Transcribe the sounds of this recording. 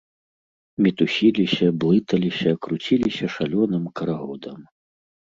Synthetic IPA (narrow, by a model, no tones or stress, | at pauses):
mʲit̪usʲilʲisʲɐblˠɨt̪ɐlʲisʲɐkɾut͡sʲilʲisʲɐʂalʲɔnɨmkɐɾaɣɔd̪ɐm